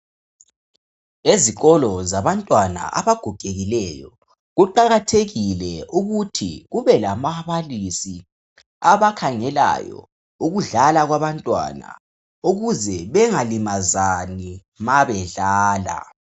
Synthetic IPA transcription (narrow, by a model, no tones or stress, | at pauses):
eziɣɔlɔzaβantʼwana̰ʔa̰βaɡ̥ʱɔɡ̥ʱeɣilɛjɔ̰ | ɣuǃaɣatʰeɣilɛuɣutʰḭɣuβɛlamaβalisi | aβakʰaŋɛla̰jɔ̰ | uɣuɮalaɣwaβantʼwa̰na̰ | uɣuzɛβɛŋalimazani | maβɛɮaːla̰